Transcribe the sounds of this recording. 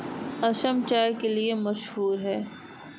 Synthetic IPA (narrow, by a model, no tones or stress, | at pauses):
ɐʃəmt͡ʃaːɾkeliemɐʃɦuːɾɦɛː